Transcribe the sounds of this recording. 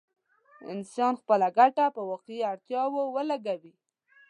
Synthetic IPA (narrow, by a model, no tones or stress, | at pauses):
ɪ̰nsɑnxpəlaɡaʈapəwɑqeiaɽt̪jɑwowəlaɡawi